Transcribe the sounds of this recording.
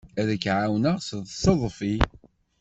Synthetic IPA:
æðəkːʕawnəʁsəðˤsɑðˤfi

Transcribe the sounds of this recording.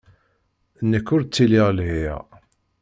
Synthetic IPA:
nːəkːʊɾt͡sːiliʁlɦijæ̰

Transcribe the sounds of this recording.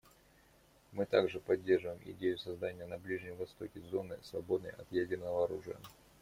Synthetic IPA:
mɨt̪aɡʐɨpɐdʲːe̞rʐɨvəjɪmʔɪ̰dʲejʊsɐzd̪anʲɪjənɐblʲiʐnʲɪmvɐst̪o̞kʲɪzo̞nɨ̰svɐbo̞d̪nə̰jɐ̰t̪jadʲɪrnəvəɐɾuʐɨjə̰

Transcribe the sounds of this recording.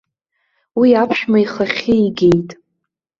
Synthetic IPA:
wiapʰʃᶣmaiχaχʲɪiɡʲe̞jtʼ

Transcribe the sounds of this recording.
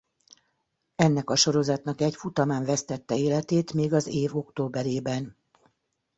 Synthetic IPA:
ɛnːɛkɒʃo̞ɾo̞zɒt̪nɒkɛcfut̪ɒmaːɱvɛst̪ɛt̪ːɛeːlɛt̪eːt̪meːɡɒzeːvo̞kt̪oːbɛɾeːbɛn

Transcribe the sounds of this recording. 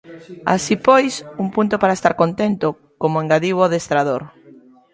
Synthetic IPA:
a̰sipojsuŋpunt̪opaɾaest̪a̰ɾkont̪ent̪o | komoẽŋɡaðiβoðest̪ɾaðoɾ

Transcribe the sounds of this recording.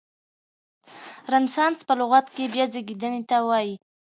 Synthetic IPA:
ɾansɑnspəlʊɣat̪kebjɑzeɡid̪ənet̪awɑji

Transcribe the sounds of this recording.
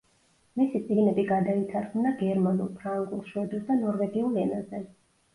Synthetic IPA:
misit̪sʼiɡnɛbiɡad̪ait̪ʰaɾχmnaɡɛɾmanulˠpʰɾaŋɡulˠʃwɛd̪ulˠd̪anɔɾvɛɡiulˠɛnazɛ

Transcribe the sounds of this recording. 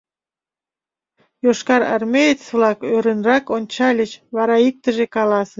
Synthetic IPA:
joʃkɑɾɑ̰rmʲejet͡svlˠɑkøɾənrɑkonʲt͡ɕɑlʲət͡ɕβɑɾɑik̚t̪ə̆ʒekɑlɑsə

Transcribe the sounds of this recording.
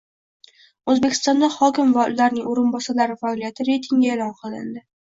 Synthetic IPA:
ɵzbe̞kʲʰɪ̥st̪ɒnd̪aχɒkʲɪmvalaɾnɪŋoɾɪnbɒsalaɾɪfaɒlijat̪ʰɪɾe̞jt̪ʰɪŋɡʲaelɒnqʰɨlˠɪ̰nd̪ɪ

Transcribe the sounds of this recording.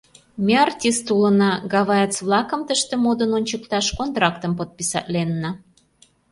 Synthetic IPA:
mʲeɑrtʲist̪ulə̆nɑɡɑβɑjət͡sβlɑkə̆mt̪əʃt̪ĕmod̪ənonʲt͡ɕəkt̪ɑʃkont̪ɾɑkt̪əmpot̪̚pisɑ̰t̪lenːə

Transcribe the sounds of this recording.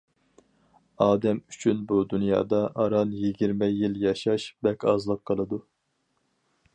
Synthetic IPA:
ɑːd̪ɛmyt͡ʃʰynbud̪unjɑ̰ːd̪ɑʔɑɾɑnjiɡʲiɾmɛjiljɑʃɑʃbɛkʲɑzlˠəqqʰːəlˠɨd̪u

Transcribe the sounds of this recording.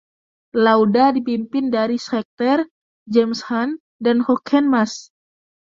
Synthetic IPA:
lawdadipimpɪndaɾisɛk̚t̪ɛr | d͡ʒɛmshan | danhɔkʰɛnmas

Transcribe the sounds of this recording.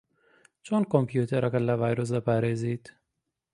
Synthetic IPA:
t͡ʃonkompjuːt̪ʰɐɾʔɐkɐlːɐvajɾos̬ɐpaɾezit̪

